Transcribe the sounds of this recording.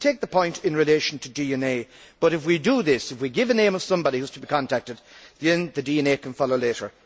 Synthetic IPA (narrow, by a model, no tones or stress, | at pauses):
tʰeɪk̚ðəpʰɔ̃ɪ̃ntɪ̃nɹɨleɪʃn̩tʰədiɛ̃neɪ | b̥ʌɾɨfwidəðɪsɨfwiɡɪvɨnẽɪ̃mʌv̥sʌ̃mbɑɾihuz̥tʰəbikʰɑ̃ntʰæk̚tɨd̥̚ðɨ̃nðɨdiɛ̃neɪkʰə̃n̩fɑlˠoʊleɪɾə˞